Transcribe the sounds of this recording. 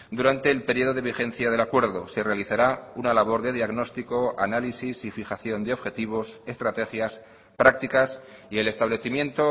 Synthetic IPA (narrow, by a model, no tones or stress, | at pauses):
d̪uɾant̪e̞ːlpe̞ɾio̞ð̞o̞ðe̞βixẽ̞n̟θjað̞e̞lakwe̞ɾðo̞̰se̞re̞aliθaɾaunalaβ̞o̞ɾðe̞ðiaɣno̞st̪iko̞a̰nalisisifixaθjo̞nd̪eo̞βxe̞t̪iβ̞o̞se̞st̪ɾat̪e̞xjas | pɾak̚t̪ikasie̞le̞st̪aβle̞θimjẽ̞nt̪o̞